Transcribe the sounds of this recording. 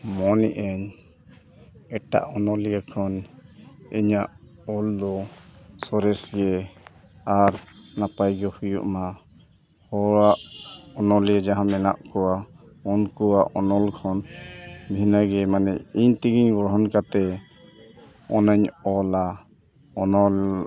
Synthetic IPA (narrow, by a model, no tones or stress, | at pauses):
mɔnɛʔəɲ | ɛʈa̰ʔɔnɔlijakʰɔn | iɲaʔɔld̪ɔsɔɾɛsɡɛ | aɾnapajɡɔhujṵʔma | hɔɾaʔɔnɔljad͡ʒaɦãmɛna̰ʔkɔwa | ɔnkɔwaʔɔnɔlkʰɔnbʱinaɡɛmanɛiɲt̪iɡiɲɡɔɦɔnkat̪ɛ | ɔnaɲɔla | ɔnɔl